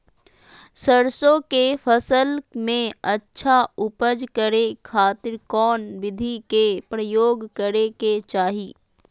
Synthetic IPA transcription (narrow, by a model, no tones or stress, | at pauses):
səɾsõkefʰəsəlmẽɐtːʃʰaʊpəd͡ʒkəɾekʰaːt̪ɪɾkɔːnʋɪd̪ʱikepɾəjoːɡkɐɾeket͡ʃaːɦiː